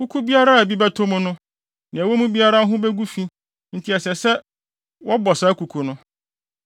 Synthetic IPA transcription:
ku˦kʰu˦bi˦a˦ɾa˦˨æ˨bi˦bæ˦tʰõ˦mʊ̃˦nʊ̃˦ | nɪ̃˨æ˨wo˦mũ˦bi˦a˦ɾa˦ɦʊ̃˦bɛ˦ɡu˦fi˦ | n̩˦˨tʰi˨ɛ˨sɛ˨sɛ˦ | wɔ˦bɔ˨saː˦kʰu˨kʰu˨nʊ̃˦

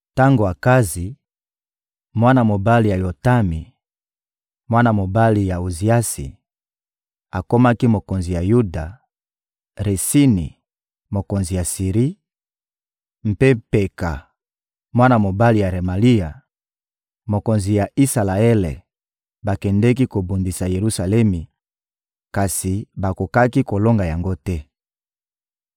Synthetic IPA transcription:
ta˦ŋɡo˨a˨ka˦zi˨ | mwa˦na˨mo˨ba˦li˨ja˨jo˨ta˦mi˨ | mwa˦na˨mo˨ba˦li˨ja˨o˨zi˨a˦sḭ˨ | a˨ko˦ma˦ki˦mo˨ko˨nzi˨ja˨ju˦da˨ | ʁe˨si˦nḭ˨ | mo˨ko˨nzi˨ja˨si˨ʁi˦ | m̩˦pe˦pe˨ka˨ | mwa˦na˨mo˨ba˦li˨ja˨ʁe˨ma˨li˦ja˨ | mo˨ko˨nzi˨ja˨i˦sa˨la˨e˦lḛ˨ | ba˨kɛ˨ndɛ˦ki˦ko˨bo˨ndi˨sa˨je˨ʁu˦sa˨lɛ˦mi˨ | ka˨si˨ba˨ko˨ka˦ki˦ko˨lo˦ŋɡa˨ja˨ŋɡo˦tɛ˦

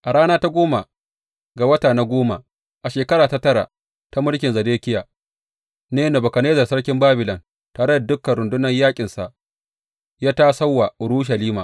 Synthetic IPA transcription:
ʔa˨ɽaː˦naː˦ta˦ɡʷoː˦ma˨ | ɡa˨wɐ˦taː˨na˦ɡʷoː˦ma˨ | ʔa˨ʃeː˨kɐ˦ɽaː˨ta˦tɐ˦ɽa̰˨ | ta˦mʊ˦lkʲɪ˨nzɐ˨deː˦kʲɪ˦ja˨ | neː˦no˨bɐ˨kɐ˨neː˦zɐ˨rsɐ˦ɽkʲɪ˦mbaː˦bɪ˨lɔ˨n | taː˨ɽɐ˦da˨dʊ˦kːɐ˨ɽʊ˨ndʊ˦nɐ˦ɲjaː˦kʲʼɪ˨nsa˨ʔ | jaː˦taː˦sa˦wːa˨ʊ˨ɽu˦ʃ̬ɐ˨liː˦maː˨

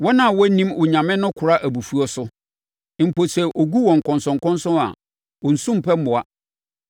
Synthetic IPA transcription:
wɔ˦nã˨wɔ˦nĩ˦mʊ˨ɲã˨mɪ̃˦nʊ̃˦kʰʊ˨ɾa˦ʔæ˨bu˨fu˦ɔ˦sʊ˦˨ | m̩˨pʰo˨sɛ˨ʔo˨ɡu˦wɔ̃˨ŋ̩˨kʰɔ̃˨nsɔ̃˨ŋ˨kɔ̃˦n˦sʊ̃˦a̰˨ | ɔ˨n̩˨sũ˦m̩˨pʰɛ˦m˦mʊ̃˨a˦

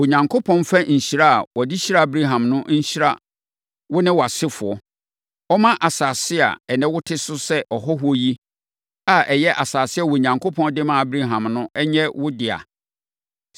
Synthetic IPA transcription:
wo˨ɲã˨ŋkʰo˦pʰɔ̃˦nfa˦ɲ̩˨ɕi˨ɾa˦˨wɔ˨di˦ɕi˦ɾa˦˨bɾi˦ɦã˨mnʊ̃˦ɲ̩˦ɕi˦ɾa˦ | wʊ˦nɪ̃˦wa˨sɪ˦fʊ˨ɔ˦ | ɔ˦mã˦ʔa˨saː˨sɪ˦a̰˨ɛ˨nɪ̃˦wʊ˦tʰɪ˦sʊ˦sɛ˦ʔɔ˨ɦɔ˦ɦʊ˦ɔ˦ji˦ | a˨ʔɛ˨jɛ˦ʔa˨saː˨sɪ˦a˨wo˨ɲã˨ŋkʰo˦pʰɔ̃˦ndɪ˦mã˦˨bɾi˦ɦã˨mnʊ̃˦ɛ˦ɲɛ˦wʊ˦dɪ˨a̰˨

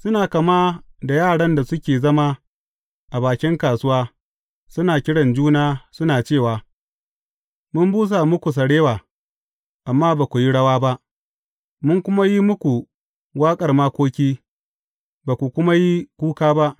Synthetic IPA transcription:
sʊ˦naː˨kɐ˨maː˦da˨jaː˦˨ɽɐ˦nda˨sʊ˦kʲeː˨zɐ˦ma˦ | ʔa˨baː˨kʲɪ˦ŋkaː˨sʊ˦waː˦ | sʊ˦naː˨kʲɪ˦ɽɐ˨nd͡ʒuː˦naː˦sʊ˦naː˨t͡ʃeː˦˨waː˨ | mʊ˦mbuː˦s̬a˨mʊ˦kʷu˨s̬ɐ˨ɽeː˦waː˨ | ʔa˨mːaː˦baː˨kʷu˨ji˦ɽɐ˦waː˦ba˦ʔ | mʊ˦ŋkʷʊ˦ma˦ji˦mʊ˦kʷu˨ | waː˦kʼɐ˨rmaː˦kʷoː˦kʲiː˦ | baː˨kʷu˨kʷʊ˦ma˦ji˦kʷuː˦kaː˦ba˦ʔ

